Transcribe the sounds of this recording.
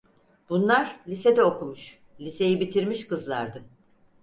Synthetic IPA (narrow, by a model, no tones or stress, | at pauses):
b̥unlˠaɾlʲised̪ɛokumuʃ | lʲise̞jibit̪ʰiɾmiʃkɯzlˠa̰ɾd̪ɯ